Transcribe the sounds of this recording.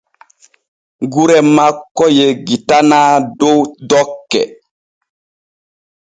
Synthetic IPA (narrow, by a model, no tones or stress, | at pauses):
ɡuɾɛmakːɔjeɡitanaːdowdɔkːɛ̰